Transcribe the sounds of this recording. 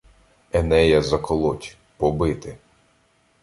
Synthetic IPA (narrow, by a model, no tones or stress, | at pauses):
ɛnɛjɐzɐkɔlˠɔtʲ | pɔbɪt̪ɪ